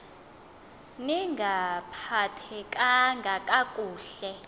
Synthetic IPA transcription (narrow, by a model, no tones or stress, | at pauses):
niŋɡʱapʰatʰɛkʼaŋɡʱakʼakʼuːɬɛ